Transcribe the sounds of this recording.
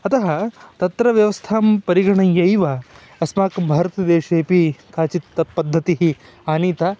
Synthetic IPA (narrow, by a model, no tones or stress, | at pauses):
ɐt̪ɐɦɐt̪ɐt̪ɾɐʋjɐʋɐst̪ʰaːmpɐɾiɡɐɳɐjɐjʋɐ | ɐsmaːkɐmbʱaːɾɐt̪ɐd̪eːʂeːpikʰaːt͡ʃit̪ɐpɐd̪ʱːɐt̪iɦi | aːniːt̪a